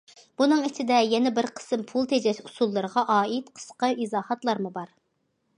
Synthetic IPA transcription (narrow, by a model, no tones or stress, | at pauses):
b̥unɨŋit͡ʃʰid̪ɛjɛnɛbɪɾqʰə̥sɨmpʰulˠt̪ʰed͡ʒɛʃusulˠːɨɾəʁɑʔɑːit̪qʰə̥sqəizɑːhɑt̪lˠɑɾmubɑɾ